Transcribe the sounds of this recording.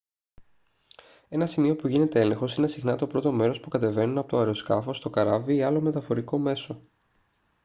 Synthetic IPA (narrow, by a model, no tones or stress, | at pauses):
e̞nɐsimio̞puʝine̞t̪e̞ele̞ŋxosine̞sixnɐt̪o̞pɾo̞t̪o̞me̞ɾo̞spukɐt̪e̞ve̞nunɐpo̞t̪oɐɾoskɐfo̞st̪o̞kɐɾɐviːɐlo̞met̪ɐfo̞ɾiko̞me̞so̞